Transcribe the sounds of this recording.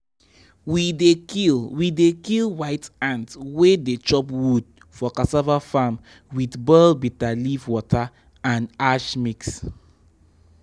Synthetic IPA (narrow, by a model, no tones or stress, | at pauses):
widekilwidekilwaɪtãntwedet͡ʃɔpwud̚ | fɔkasavafam | widbɛlbitalivwɔtʰa | ãnaʃmiks